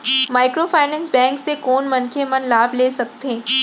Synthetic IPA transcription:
maːɪkɾofʰaːɪnɛ̃ːnsbɛ̃ːŋksekoːnmɐnkʰemɐnlaːbleːsɐk̚t̪ẽː

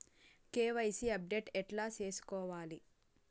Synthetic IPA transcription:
keːʋɐjsiɐp̚ɖe̞ːʈɛʈlaːt͡ʃe̞ːsu̥kɔːʋaːli

